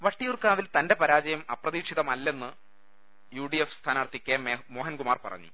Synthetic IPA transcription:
ʋɐʈːijurkaːʋilt̪ɐnde̞pɐɾaːd͡ʑɐjɐmɐprɐðiːkʂiðɐmɐlːe̞nːɨ | juːɖiefst̪ʰaːnaːrt̪ikʲːaːnmemo̞ːɦɐnkumaːrpɐ̰rɐ̰ɲːṵ

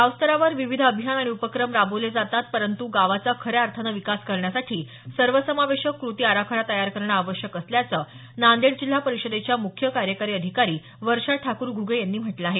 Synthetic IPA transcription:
ɦaʋst̪əɾaʋəɾʋiʋid̪ʱəbʱijanaɽ̃iupəkɾəmɾaboled͡zat̪at̪̚pəɾənt̪uɡaʋat͡sakʰəɾeaɾt̪ʰənəʋikaskəɾɳjasaʈʰiː | səɾʋəsəmaʋeɕəkːɾut̪iːaɾakʰəɽat̪əjaɾkəɾɳaːʋəɕjəkəsljat͡sə | nand̪eɽd͡ʑil̤ːapəɾiɕəd̪et͡ɕjamukʰjəkaɾjəkaɾiːəd̪ʱikaɾiː | ʋəɾʂaʈʰakuːɾɡʱuɡʱəjanːiːm̤əʈlaaɦe

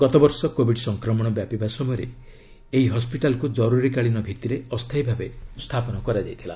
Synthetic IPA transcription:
ɡ̥ɔt̪obɔɾsɔkobʱiɖsɔŋkɾɔmɔɽ̃ɔbjapibasɔmɔjɔɾe | eɦiɦɔspiʈalkud͡ʒɔɾuɾikaɭinɔbʱit̪iɾeɔst̪ʰajbʱabest̪ʰapɔnɔkɔɾad͡ʒajt̪ʰila̰

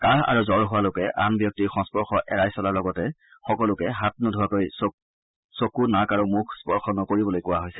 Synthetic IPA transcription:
kaɹa̰ɹuzɔɹɦʊwalokɛʔanbjɔk̚tiɹxɔŋspɔɹxɔʔɛɹajsɔlaɹlɔɡɔtɛ | xɔkɔlʊkɛɦat̚nɔdʱʊwakojs | sokunakaɹumukʰspɔɹxɔnɔkoɹibɔlojkʊwaɦojsɛ̥

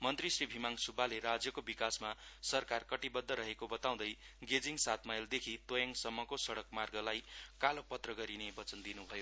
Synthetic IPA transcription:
mʌnt̪risribʱimaŋsubːaleɾad͡zjʌkobikasmasʌrkarkʌʈibʌd̪ʱːʌɾʌɦekobʌt̪aw̃d̪ʌj | ɡed͡ziŋsat̪ʰmajld̪ekʰit̪ojʌŋsʌmːʌkosʌɽʌkmarɡʌlajkalopʌt̪rʌɡʌɾinebʌt͡sʌnd̪inubʱʌjo

